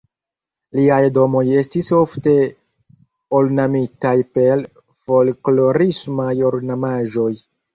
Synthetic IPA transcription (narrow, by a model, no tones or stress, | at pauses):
liajdo̞mo̞je̞stisofte̞ | olnamitajpe̞l | fo̞lklo̞ɾismajo̞lnamaʒo̞j